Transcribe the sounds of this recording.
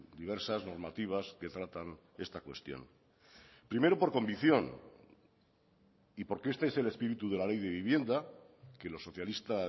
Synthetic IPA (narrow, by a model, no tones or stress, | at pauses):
d̪iβe̞ɾsazno̞ɾmat̪iβ̞aske̞t̪ɾat̪an | e̞̰st̪akwe̞̰st̪jo̞̰n | pɾime̞ɾopo̞ɾko̞mbiθjo̞n | ipo̞ɾke̞est̪eese̞le̞spiɾit̪uðe̞lale̞jðe̞βiβje̞nd̪a | ke̞lo̞sːo̞θjalist̪a